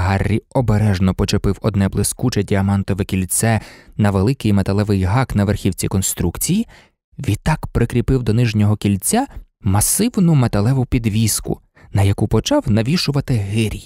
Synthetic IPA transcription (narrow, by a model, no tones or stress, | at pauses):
ɦɑrʲːiɔbeɾɛʒnɔpɔt͡ʃepɪwɔd̪nɛblˠɪskut͡ʃɛdʲiɐmɑnt̪ɔʋɛkʲilʲsɛnɐʋelˠɪkɪjmet̪ɐlˠɛʋɪjɦɑknɐʋerxʲiwt͡sʲikɔnst̪ɾukt͡sʲiji | ʋʲit̪ːɑkpɾɪkɾʲipɪwd̪ɔnɪʒnʲɔɦɔkʲilʲt͡sʲa | mɐsɪwnʊmet̪ɐlˠɛʋʊpʲid̪ʋʲiskʊ̰ | nɐjɐkupɔt͡ʃɑwnɐʋʲiʃʊʋɐt̪ɪɦɪɾʲij